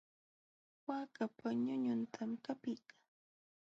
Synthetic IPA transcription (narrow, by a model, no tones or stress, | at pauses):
waːkapaɲʊɲʊnt̪ʰamkapɪkḁ